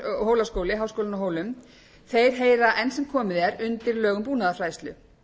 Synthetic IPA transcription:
ɦoːwlaskoːwlɪɦawskowlɪnɔɦoːwlʏm | θejɾ̥ɦeːjɾaʔɛnsɛmkʰɔːmɪðɛɾʏnt̪ɪɾlœːɣʏmpuːnaðafɾaːjst̪lʏ̰

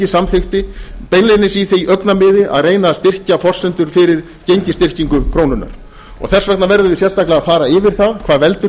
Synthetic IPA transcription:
ɪsamfɪxt̪ɪpejnlejnɪsiθijʔœknamɪːðɪʔa̰ðreːjnast̪ɪr̥cafɔr̥sɛnt̪ʏɾ̥fɪɾɪɾ | cejɲcɪst̪ɪr̥ciŋkʏkʰɾoːwnʏnːa̰ɾ̥ | ɔ̰ɣθɛr̥svaknnavɛɾðʏvɪsjɛ̥st̪aklaɣafaːɾaɪvɪɾ̥θaðkʰvaːðvɛlt̪ʏ

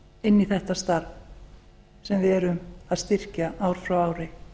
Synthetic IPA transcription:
ɪnːiθɛht̪ast̪aɾv | sɛmvɪɛɾʏmaðst̪ɪr̥caʔaːwɾ̥fɾawaːwɾɪ

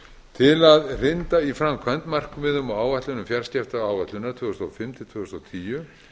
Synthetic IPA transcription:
t̪ʰɪlaðrɪnt̪aifɾamkʰvant̪mar̥kʏmɪðʏmawaːwvat̪lʏnʏmfjaɾ̥scɛft̪aaːwvat̪lʏnat̪ʰvʏːɣʏst̪a̰wfɪmt̪ʰɪlt̪ʰvʏːɣʏst̪awt̪ʰiːjʏ

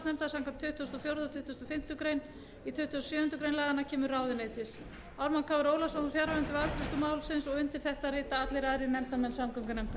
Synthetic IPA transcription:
t̪nɛmt̪asaŋkat̪ʰʏht̪ːɔst̪ɔfjowɾðʏɔt̪ʰʏht̪ːɔst̪ɔfɪm̥t̪ʏkɾeːjn | it̪ʰʏht̪ːuɔst̪sjœːhʏnt̪ʏkɾejnlɛːɣanacʰɛːmʏɾraːwðɪneːjt̪ɪs | awɾmankʰavʏɾoːwlasmawðfjaːɾaɾɛnt̪ɪvalt̪ɾɛst̪ʏmaːwlsɪnsɔɣʏnt̪ɪl̥θɛht̪arɪːt̪aat̪lɪɾaɾɪinɛmt̪amɛnsamkœmkanɛm̥t̪a

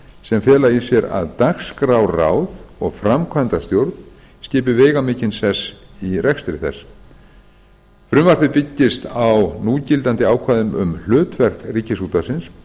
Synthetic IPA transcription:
sɛmfjɛːlaisjɛɾa̰ðt̪axskɾawra̰ːwðɔɣfɾamkʰvant̪ast̪jowɾt̪n | scɪːp̬ɪveːjɣamɪːcɪnsɛsirʔɛxst̪ɾɪθɛ̰s | fɾʏmvar̥pɪpɪcːɪst̪awnuːcɪlt̪ant̪ɪaːwkʰvaːðʏmʏ̰ml̥ʏːt̪vɛr̥kriːcɪsuːt̪asɪns

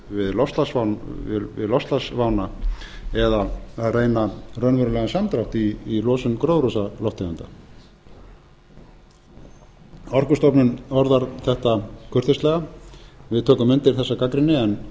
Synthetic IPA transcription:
vɪðlɔfst̪lasvanɪvɪ̰ðlɔst̪lasvawna | ɛðaaðreːjnarœnvœɾʏlɛɣasamt̪ɾawht̪iːlɔːsʏmkɾoːwɾusalɔwht̪ɪʏnt̪a̰ | ɔr̥kʏst̪ɔpnɪnɔɾðaɾθɛht̪akʰʏr̥t̪ɪslɛːɣavɪðt̪ʰøːkʏmɪnt̪ɪɾ̥θɛsːakakɾɪnːɪɛn

